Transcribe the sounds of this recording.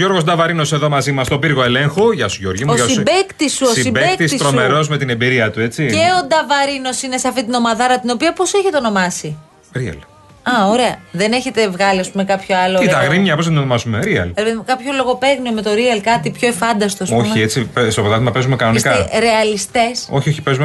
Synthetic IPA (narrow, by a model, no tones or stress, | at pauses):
ʝo̞ɾɣosd̪ɐvɐɾino̞se̞ðo̞mɐzimɐst̪o̞biɾɣoeleŋxoʝɐsuʝo̞ɾʝimuʝɐsibekt̪isuosiibeekkt̪isist̪ɾomeɾo̞zme̞t̪inebiɾiɐt̪ue̞t͡sie̞o̞d̪ɐvɐɾino̞sine̞seɐft̪it̪ino̞mɐðɐɾɐt̪ino̞piɐpo̞seçet̪eono̞mɐsi | ɾiɐ̰l | ɐoɾe̞ɐðe̞ne̞çet̪e̞vɣɐliɐspume̞kɐpço̞ɐloit̪ɐɣɾimɲɐpos̬ɐt̪onomɐsumeɾiɐ̰lɾepeðimekɐpço̞lo̞ɣo̞pe̞ɣniome̞t̪o̞ɾiɐlkɐt̪ipço̞efɐnd̪ɐst̪osomiet͡sipest̪oot̪ɐt̪imɐpe̞zumekɐnoniskɐɾe̞ɐlist̪e̞so̞çioçipe̞zume